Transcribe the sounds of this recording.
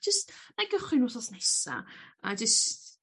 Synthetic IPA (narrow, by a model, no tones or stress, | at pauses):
d͡ʒəstmaɡəχwɨnusɔsnɛsa̰a̰d͡ʒəst